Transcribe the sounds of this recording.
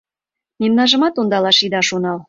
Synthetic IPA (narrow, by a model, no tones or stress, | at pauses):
memnɑʒə̆mɑt̪ond̪ɑlɑʃid̪ɑʃonɑl